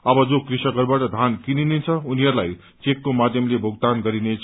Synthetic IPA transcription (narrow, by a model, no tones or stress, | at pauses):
ʌbʌd͡zokrisʌɡʌrbaʈʌd̪ʱankininet͡sʰʌuniɦʌɾlaj | t͡sekːomad̪ʱjʌmlebʱoɡt̪anɡʌɾinet͡s